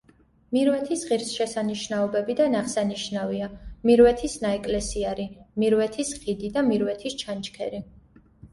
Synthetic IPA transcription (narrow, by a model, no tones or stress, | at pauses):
miɾwɛt̪ʰisʁiɾsʃɛsaniʃnaɔbɛbid̪anaχsaniʃnaviamiɾwɛt̪ʰisnaɛkʼlɛsiaɾimiɾwɛt̪ʰisχid̪id̪amiɾwɛt̪ʰist͡ʃʰant͡ʃkʰɛ̰ɾi